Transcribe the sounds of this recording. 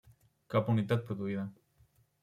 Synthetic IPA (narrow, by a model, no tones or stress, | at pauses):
kapunit̪at̪̚pɾoðuiða